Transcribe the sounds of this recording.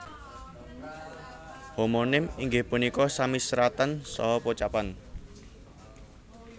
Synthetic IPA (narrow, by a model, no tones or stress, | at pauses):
homonɪmiŋɡɪhpunikɔsamisɾat̪ənsɔ̰ɦɔpot͡ʃapan